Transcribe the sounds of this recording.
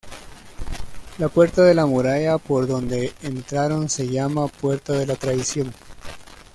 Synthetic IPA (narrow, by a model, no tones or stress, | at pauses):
lapwe̞ɾt̪aðe̞lamuɾaʝapo̞ɾðo̞nd̪e̞ːnt̪ɾaɾo̞nse̞ʝamapwe̞ɾt̪aðe̞lat̪ɾaðisjo̞ŋ